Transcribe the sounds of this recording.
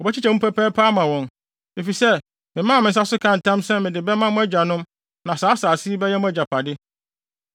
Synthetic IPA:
ɔ˨bɛ˦t͡ɕʰi˦t͡ɕʰɛ˨m̩ũ˦pʰæ˦pʰɛ˦pʰaː˦mã˨wɔ̃˨n | e˨fi˨sɛ˦ | mɪ̃˨mã˦˨mɪ̃˨n̩˨s̬a˦sʊ˦kʰã˦˨n̩˨tʰã˦msɛ˦mɪ̃˨dɪ˨bɛ˦mã˦mʊ̃˦æ˦d͡ʑᶣa˨nʊ̃˦m | nã˨saː˨˦saː˨si˦i˦bɛ˦jɛ˦mʊ̃˦æ˦d͡ʑa˨pʰa˨dɪ˦

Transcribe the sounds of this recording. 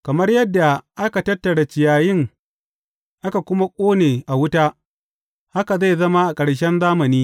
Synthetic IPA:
kɐ˨mɐ˦rjɐ˦dːa˨ʔa˦ka˨tɐ˦tːɐ˨ɽa˨t͡ʃɪ˨jaː˨jɪ˦ŋ | ʔa˦ka˨kʷʊ˦ma˦kʷʼoː˦neː˨ʔa˨wʊ˦taː˦ | ha˦ka˨za˦˨jzɐ˦ma˦ʔa˨kʼɐ˨ɽʃ̬ɛ˦nzaː˦mɐ˨niː˦

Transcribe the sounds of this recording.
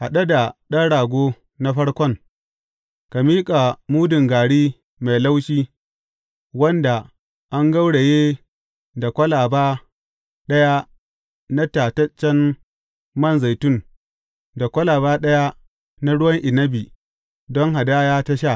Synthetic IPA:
ha˨ɗa˦da˨ɗɐ˦ɽaː˨ɡʷoː˦ | na˦ɸɐ˦ɽkʷɔ˦ŋ | ka˨miː˦kʼa˨muː˦dɪ˨ŋɡaː˨ɽiː˦ | ma˨jla˦wʃiː˦ | wɐ˦nda˨ | ʔa˦ŋɡa˦wɽe˨jeː˦ | da˨kʷɐ˦laː˨baː˦ | ɗɐ˦ja˦ | na˦taː˨tɐ˦t͡ʃːɛ˦n | mɐ˦˨nza˨jtʊ˦˨n | da˨kʷɐ˦laː˨βaː˦ɗɐ˦ja˦ | na˦ɽʊ˦wɐ˦ŋʔɪ˨nɐ˦bi˨ | dɔ˦ŋɦa˨da˦jaː˦tɐ˦ʃa˦˨

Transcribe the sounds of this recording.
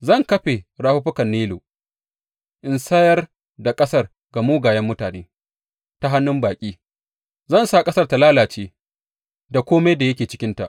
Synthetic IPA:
zɐ˦˨ŋkɐ˦ɸe˨ɾaː˦hʊ˦ɸʊ˦kɐ˨nːiː˦loː˨ | ʔɪ˨nsɐ˦jɐ˦r | da˨kʼɐ˦sɐ˦r | ɡa˨muː˦ɡaː˨jɐ˦mːʊ˦taː˨neː˦ | ta˦ɦa˦nːʊ˦mbaː˨kʲʼiː˦ | zɐ˦˨nsa˨kʼɐ˦sɐ˦rta˨laː˦laː˨t͡ʃeː˦ | da˨kʷoː˦ma˦jda˨jɐ˦kʲeː˨t͡ʃɪ̥˦kʲɪ˦nta˨ʔ

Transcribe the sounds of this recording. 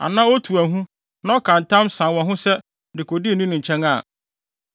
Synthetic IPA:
a̰˨nãː˦o˦tʰu˨æ˨ɦũ˦ | nã˦ɔ˦kʰã˨n̩˨tʰã˦msã˨wɔ̃˨ɦʊ̃˦sɛ˦ | dɪ˨kʰo˨dɪ˦˨nĩ˦nʊ̃˨ɲ̩˨t͡ɕʰɛ̃˦ŋa˦˨

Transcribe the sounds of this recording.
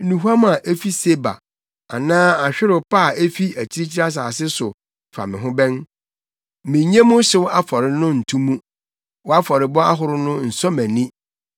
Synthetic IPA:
nũ˨ɦu˦a˦m˦a˨ʔe˦fi˦se˦ba̰˨ | a̰˨nãː˦a˨ɕᶣɪ˦ɾɪ˨pʰa˦˨e˦fi˦æ˨t͡ɕʰi˦ɾi˦t͡ɕʰi˦ɾa˦s̬aː˨sɪ˦sʊ˨ | fa̰˨mɪ̃˨ɦʊ̃˦bɛ̃˦n | mɪ̃˨ɲɛ̃˦mʊ̃˦ɕɪ˦wa˦fɔ˨ɾɪ˨˦nʊ̃˦n̩˨tʰũ˦mũ˦ | wɔ˦a˦fɔ˨ɾɪ˨bɔ˦a˦ɦʊ˨ɾʊ˦nʊ̃˦n̩˨sɔ˦mæ̃˨nĩ˦

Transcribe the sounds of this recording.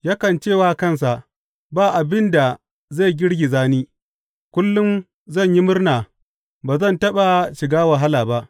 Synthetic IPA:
jaː˦kɐ˨nt͡ʃeː˦˨waː˦kɐ˦˨ns̬a˨ʔ | baː˦˨ʔa˨bɪ˦nda˨ | za˦˨ɡʲɪ˦ɽɡʲi˨zaː˦niː˦ | kʷʊ˦lːʊ˦m | zɐ˦˨ɲji˦mʊ˦rnaː˨ | baː˨zɐ˦˨ntɐ˦ɓa˨ʃɪ˨ɡaː˦wɐ˨ɦa˦laː˨ba˦ʔ

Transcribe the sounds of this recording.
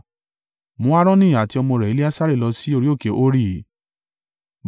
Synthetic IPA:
mũ˨˦a˦ɾ̃ɔ̃˦nĩ˦˨a˨ti˧ɔ˧mɔ̃˧ɾɛ˨i˨˦le˦a˦sa˦ɾe˦˨lɔ˧si˦o˧ɾi˦o˦˨ke˨˦ʔo˦ɾi˦˨˦

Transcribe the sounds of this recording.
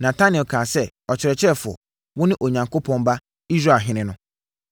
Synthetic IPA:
nã˨tʰa˦nɪ˨kʰaː˨sɛ˦˨ | ɔ˨t͡ɕʰɪ˨ɾɛ˨t͡ɕʰɪ˦ɾɛ˦˨fʊ̰˨ɔ˨ | wʊ̃˦nɪ̃˦ʔo˨ɲã˨ŋkʰo˦pʰɔ̃˦nba˦ | i˦zɾa˦˨ɦɪ̃˦nɪ̃˨nʊ̃˦

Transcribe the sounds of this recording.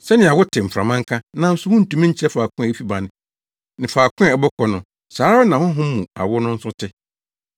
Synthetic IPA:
sɛ˦nɪ̃˨a˨wʊ˦tʰɪ˨m̩˨fɾã̰˨mã˦ŋ̩˦kʰa˦nã˦n̩˦sʊ˨˦hʊ̃˦n̩˨tũ˨mĩ˦ɲ̩˦t͡ɕʰɛ˦faː˨kʊ̃˦˨e˦fi˦ba˨nɪ̃˨ | nɪ̃˨faː˨kʰʊ̃˦a˨ɛ˨bɔ˦kʰɔ˨nʊ̃˨ | saː˨˦ɾa˦a˦nã˨hʊ̃˦ɦʊ̃˦mːũ˨a̰˨wʊ˦nʊ̃˦n̩˦sʊ̃˦tʰɪ˦

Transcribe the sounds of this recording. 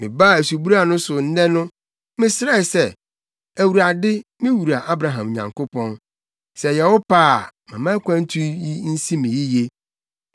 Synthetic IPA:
mɪ̃˨ba˦˨æ˨su˨bu˦ɾa˦˨nʊ̃˦sʊ˨n̩˦dɛ̃˦nʊ̃˦ | mɪ̃˦sɪ˦ɾɛ˦˨ɪ˨sɛ˦ | æ˨wu˨ɾa˨dɪ˦mɪ̃˦wu˨ɾa˨ʔa˦bɾa˨ɦã˨m˨ɲã˨ŋkʊ˦pɔ̃˦n | sɛ˨jɛ˨wɔ˦paː˦˨mã˨mã˦kʷʰã˦n̩˦tʰu˦ji˦n̩˦si˦mĩ˨ji˦je˦

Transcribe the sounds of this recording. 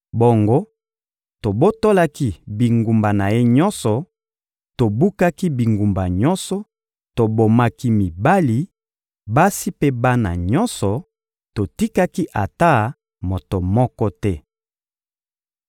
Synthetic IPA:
bo˨ŋɡo˦ | to˨bo˦to˦la˦ki˦bi˨ŋɡu˨mba˨na˨je˦ɲɔ˦nsɔ˨ | to˨bu˦ka˦ki˦bi˨ŋɡu˨mba˨ɲɔ̃˦nsɔ˨ | to˨bo˨ma˦ki˦mi˨ba˦li˨ | ba˦si˦pe˦ba˦na̰˨ɲɔ˦nsɔ˨ | to˨ti˦ka˦ki˦ʔa̰˨ta˦ | mo˨to˨mɔ˦kɔ˦tɛ˦

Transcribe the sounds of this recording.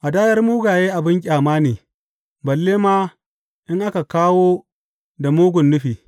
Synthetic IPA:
ʔa˨daː˦jɐ˦rmuː˦ɡaː˨jeː˦ʔa˨bɪ˦ŋkʲʼaː˨maː˦neː˨ | bɐ˨lːeː˦maː˦ | ʔɪ˦ŋʔa˦ka˨kaː˦woː˦ | da˨muː˦ɡʷʊ˨nːʊ˦ɸiː˨

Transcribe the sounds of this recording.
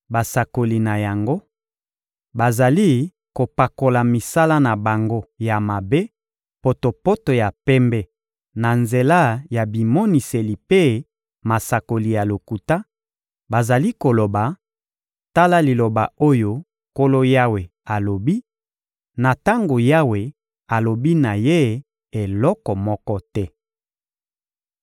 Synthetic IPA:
ba˨sa˨ko˨li˨na˨ja˨ŋɡo˦ | ba˨za˨li˦ | ko˨pa˨ko˨la˨mi˨sa˦la˦na˨ba˨ŋɡo˦ja˨ma˨be˦ | po˨to˨po˦to˨ja˨pɛ˦mbɛ˦ | na˨nze˨la˦ja˨bi˨mo˦ni˨se˨li˨pe˦ | ma˨sa˨ko˨li˨ja˨lo˨ku˨ta˦ | ba˨za˨li˦ko˨lo˨ba˨ | ta˦la˦li˨lo˨ba˨o˦jo˦ | ko˦lo˦ja˦we˨a˨lo˨bi˦ | na˨ta˦ŋɡo˨ja˦we˨ | a˨lo˨bi˦na˨je˦ | e˨lɔ˦kɔ˨mɔ˦kɔ˦tɛ˦

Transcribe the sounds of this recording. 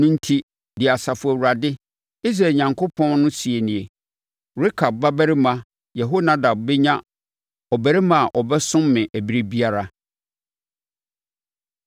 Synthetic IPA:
nʊ̃˦n̩˦tʰi˦ | dɪ˨a˨sa˨fʊ˨æ˨wu˨ɾa˨dɪ˦ | i˦sɾa˨ɲã˨ŋkʰo˦pʰɔ̃˦nnʊ̃˦si˨e˨nĩ˨e˨ | ɾɪ˦kʰa˨b̚ːa˦bæ˦ɾɪ˦mã˦ | jɛ˨ɦo˦nã˦da˨b̚bɛ˦ɲã˦ | ɔ˨bæ˨ɾi˦mã˨ʔɔ˨bɛ˦sʊ̃˦mːɪ̃˨ʔæ˨bi˦ɾi˦bi˦a˦ɾa˦

